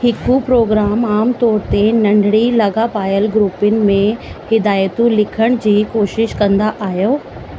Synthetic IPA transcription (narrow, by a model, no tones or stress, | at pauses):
hɪkupɾoːɡɾaːmaːmt̪ɔːɾt̪enɐ̃ɳɖʱɽilɐɡapaːjəlɡɾuːpʊnɪ̆mẽhɪd̪aːjt̪ũlɪkʰəɽ̃d͡ʑiːkoːʃɪʃkɐ̃nd̪aʔaːɦijoː